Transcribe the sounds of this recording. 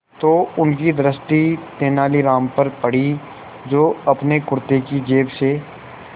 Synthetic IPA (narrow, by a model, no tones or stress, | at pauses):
t̪oːʊnkid̪ɾəst̪it̪eːnaːliɾaːmpɐɾpɐɽ̤i | d͡ʒoːɐpnekʊɾt̪ekid͡ʒeːbse